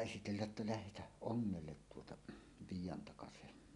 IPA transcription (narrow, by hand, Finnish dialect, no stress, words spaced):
esitelːæʔ ʔetːæ læhetæh ʔoŋːelːet tuotɑ ʋiːjˑɑntɑkɑsehen